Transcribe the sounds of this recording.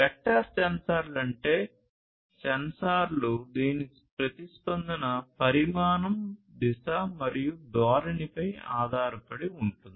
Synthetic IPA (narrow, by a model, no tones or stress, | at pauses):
pɛk̚ʈːaːt͡ʃɐnsaːɾlɐɳʈe̞ː | sɛnsaːɾlud̪iːni | pɾɐt̪ispɐnd̪ɐnɐpɐɾimaːnɐmd̪isamɐɾijud̪aːɾɐnipɐja̰ːd̪ʱaːɾɐpɐɽiuɳʈund̪i